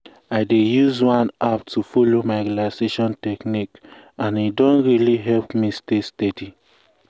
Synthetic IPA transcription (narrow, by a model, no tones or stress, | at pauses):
aɪdejuzwãnap̚tufolomaɪɾilaɪseʃɔ̃ntɛknik | ãnidɔ̃nɹiliɦɛlpmistestɛdi